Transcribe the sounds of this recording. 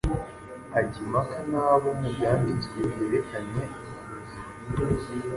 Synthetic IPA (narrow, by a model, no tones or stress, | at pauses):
aɟimakʰanaːβomubɟaːmiziejeɾekʰaɲe